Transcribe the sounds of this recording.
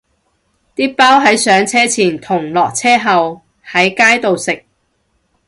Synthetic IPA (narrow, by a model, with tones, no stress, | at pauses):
t̪iː˥paː˥wɦɐ˨˥jsœː˨˥ŋt͡sʰɛː˥t͡sʰiː˨˩nt̪ʰʊ˨˩ŋlɔː˨k̚t͡sʰɛː˥ɦɐ˨w | hɐ˨˥jkaː˥jt̪o˨wsɪ˨k̚